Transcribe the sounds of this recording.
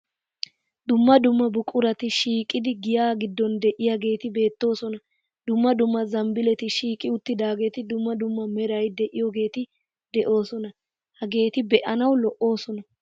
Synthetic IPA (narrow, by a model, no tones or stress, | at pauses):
d̪ʊmːɐd̪ʊmːɐbʊkʼːʊɾɐt̪ɪʃiːkʼːɪd̪ɪɡɪjaːɡɪd̪ːɔnd̪ɛʔɪjaɡe̞ːt̪ɪbe̞ːt̪ːo̞ːsɔnɐ | d̪ʊmːɐd̪ʊmːɐzɐmbɪlɛt̪ɪʃiːkʼɪʊt̪ːɪd̪aːɡe̞ːt̪ɪd̪ʊmːɐd̪ʊmːɐmɛɾɐjd̪ɛʔɪjɔɡe̞ːt̪ɪ | d̪ɛʔo̞ːsɔnɐ | hɐɡe̞ːt̪ɪbɛʔɐnɐwlɔʔo̞ːsɔnɐ